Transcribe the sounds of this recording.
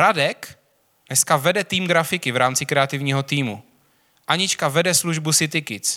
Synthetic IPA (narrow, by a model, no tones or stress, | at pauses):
ɾadɛk | nɛskavɛdɛt̪iːmɡɾafɪkɪvɾaːmt͡sɪkɾɛat̪ɪvɲiːɦo̞t̪iːmṵ | ʔaɲɪt͡ʃkavɛdɛsluʒbusɪt̪ɪkɪt͡s